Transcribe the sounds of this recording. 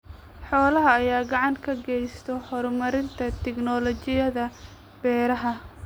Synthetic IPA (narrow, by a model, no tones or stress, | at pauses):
ħɔːlɐɦɐːjaːɡɑʕɑŋkʰɐɡɛjst̪ʰɔhɔɾmɐɾɪnt̪ʰɐt̪ʰɛɡnɔlɔt͡ʃɪjɐðɐ | b̥ɛːɾɐɦɐ